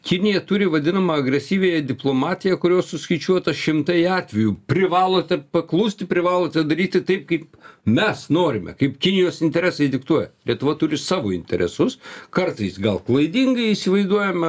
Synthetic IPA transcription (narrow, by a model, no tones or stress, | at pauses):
kʲɪnʲɪjɛt̪ʊɾʲɪʋɐd̪ʲɪnɐmɐɐɡɾʲɛsʲiːʋʲeːjɛd̪ʲɪplˠoːmɑːt̪ʲɪjɛkʊɾʲoːssʊsʲkɐɪt͡ʃʲuɔt̪ɐʃʲɪmt̪ɐɪɑːt̪ʲʋʲɛjupʲɾʲɪʋɑːlˠoːt̪ʲɛpɐklˠuːsʲt̪ʲɪpʲɾʲɪʋɑːlˠoːt̪ʲɛd̪ɐɾʲiːt̪ʲɪt̪ɐɪp̚kɐɪp̚mʲɛsnoːɾʲɪmʲɛ̰kɐɪpkʲɪnʲɪjoːsɪnʲt̪ʲɛɾʲæːsɐɪd̪ʲɪkt̪uɔjɛlʲiɛt̪ʊʋɐt̪ʊɾʲɪsɑːʋoːɪnʲt̪ʲɛɾʲɛ̰sʊskɐrt̪ɐɪsɡɐlˠklˠɐɪd̪ʲɪŋɡɐɪisʲɪʋɐɪzd̪uɔjɛmʲɛ